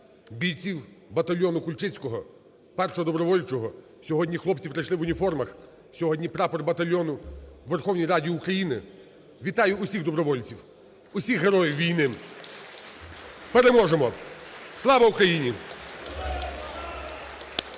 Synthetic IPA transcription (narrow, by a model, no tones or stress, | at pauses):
bʲijt͡sʲiwbɐt̪ɐlʲjɔnʊkʊlʲt͡ʃɪt͡sʲkɔɦɔ | pɛrʃɔɔd̪ɔbɾɔʋɔlʲt͡ʃɔɦɔ | sʲɔɦɔdʲnʲixlˠɔp̚t͡sʲipɾɐjʃlˠɪʋʊnʲifɔrmɐx | sʲɔɦɔdʲnʲipɾɑpɔrbɐt̪ɐlʲːɔnʊʋerxɔwnʲijɾɑdʲiːukɾɐjinɪ | ʋʲit̪ɑjʊʊsʲiɣd̪ɔbɾɔʋɔlʲt͡sʲiw | ʊsʲixɦeɾɔjɪwʋʲijnɪ | peɾemɔʒemɔslˠɑʋɐʊkɾɐjinʲi